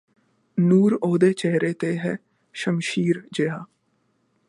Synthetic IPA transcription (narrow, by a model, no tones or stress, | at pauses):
nuːɾoːd̪eːt͡ʃɛɦɾeːt̪eːɦɛː | ʃəmʃiːɾd͡ʒeːaː